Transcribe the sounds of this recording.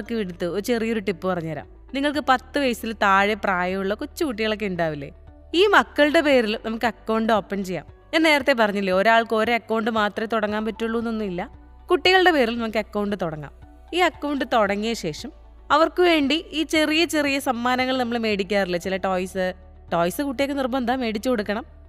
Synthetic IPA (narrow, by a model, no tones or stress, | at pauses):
ɐɐrkːɨʋiɽut̪ːɨoɾut͡ɕe̞rijɐo̞ɾuʈipːɨpɐrɐɲːaːɾa̰ːm | niŋːɐɭk̬ɨpɐt̪ːɨʋɐjsilt̪aːɻepraːjɐjuɭːɐkut͡ɕːɨkuʈːiɣɐɭok̬ːeuɳɖaːʋilːḛ | iːmɐkːɐɭɨɽe̞pe̞ːɾilnɐmukːɨɐkːɐwɳɖɨo̞ːpːɐnt͡ɕejːa̰ːm | enːe̞ːɾɐt̪ːep̬ɐrɐɲːilːeo̞ɾaːɭko̞ːɾeɐkːɐwɳɖɨmaːt̪rɐmt̪oɽɐŋːaːmpɐtːuɭːunːonːuilːɐ | kuʈːiɣɐɭɨɽe̞pe̞ːɾilnɐmukːɨɐkːɐwɳɖɨt̪oɽɐŋːa̰ːm | iːɐkːɐwɳɖɨt̪oɽɐŋːijɐɕe̞ːʂɐm | ɐʋɐrkɨʋe̞ːɳɖiiːt͡ɕe̞rijɐt͡ɕe̞rijɐsɐmːaːnɐŋːɐɭnɐmːɐɭme̞ːɽikʲːaːrilːɐt͡ɕilɐʈo̞ːjsɨ | ʈo̞ːjsɨkuʈːijekːenirbɐmnd̪aːme̞ːɽit͡ɕːɨkoɽukːɐɳɐm